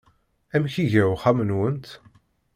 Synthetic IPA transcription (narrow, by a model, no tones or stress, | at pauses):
æmçiʝəχæmənwənt̪